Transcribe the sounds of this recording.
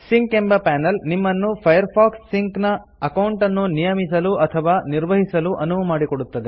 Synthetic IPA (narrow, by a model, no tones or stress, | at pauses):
siŋkembɐpaːnɐlnimːɐnːupʰɐjɐɾpʰaːksːiŋknɐ | ɐkɐwuɳʈɐnːunijɐmisɐluɐt̪ʰɐʋaːniɾʋɐɦisɐluʔɐnuʋɐmaːɽikoɽut̪ːɐd̪e